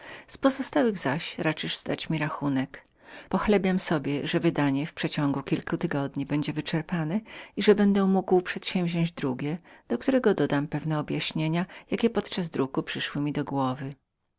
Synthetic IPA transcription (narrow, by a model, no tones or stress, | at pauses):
spɔzɔst̪awɘɣzaɕɾat͡ʂɘʐzd̪at͡ɕmʲiɾaxunɛk | pɔxlɛbʲjamsɔbʲjɛʐɛvɘd̪aɲɛfpʂɛt͡ɕɔŋɡukʲilkut̪ɘɡɔd̪ɲibɛɲd͡ʑɛvɘt͡ʂɛɾpanɛiʐɛbɛnd̪ɛmuɡwpʂɛt̪ɕɛ̃wvʑɔ̃ɲd͡ʑd̪ɾuɡʲjɛd̪̥ɔk̚t̪uɾɛɡɔd̪ɔd̪ampɛvn̪ɛɔbjaɕɲeɲajakʲɛpɔt̪t͡ʂazd̪ɾukupʂɘʂwɘmʲid̪ɔɡwɔvɘ